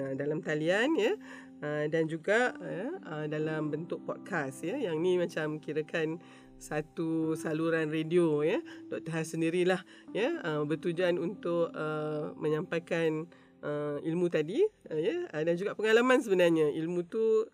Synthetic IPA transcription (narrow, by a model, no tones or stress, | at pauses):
ədalamt̪alianjə | ədand͡ʒuɡaʔjəədalambənt̪ʊk̚pɔt̚kʰasjəjaŋnimat͡ʃamkiɾəkan | sat̪usaluɾanrediojət̪ɔʔt̪əɦasəndiɾilah | jəəbərt̪ud͡ʒuanunt̪ʊʔkəmə̃ɲãmpajkan | ʔəilmũt̪adijəədand͡ʒuɡaʔpəŋalamãns̬əbənarɲãilmũt̪u